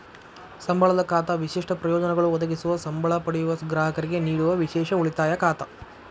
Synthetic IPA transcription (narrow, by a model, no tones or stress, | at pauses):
sɐmbʱɐɭɐd̪ɐkaːt̪ɐʋiʃiʂʈɐpɾɐjɔːd͡ʒɐnɛɡɐɭuʋɔd̪ɐɡisuʋɐsɐmbʱɐɭɐpɐɽɛjuʋɐɡɾaːɦɐkɐɾiɡe̞niːɽuʋɐʋiʃɛːʃɐuɭit̪aːjɐkaːt̪ɐ